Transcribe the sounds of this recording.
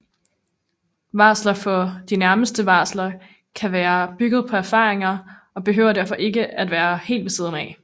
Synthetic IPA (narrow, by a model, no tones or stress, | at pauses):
ʋɑ̈ːslɐfɒ̽d̥inæɐməsd̥əʋɑ̈ːslɐ | kʰæʋæːɐb̥yɡ̥əð̞̩ˠpʰɒ̽æɐfɑ̈ːʁeŋɐ | ɒ̽b̥e̝ɦø̰ːʊɐd̥æɐ̰fɒ̽ʔe̝ɡəæd̥ʋæːɐhe̝̰ːld̥ʋe̝siːðˠn̩ɛ